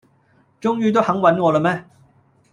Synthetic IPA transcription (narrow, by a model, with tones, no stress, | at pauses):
t͡ʃʊ˥ŋjyː˥t̪̬o˥whɐ˨˥ŋwɐ˨˥nŋɔː˨˧lə˧mɛː˦˥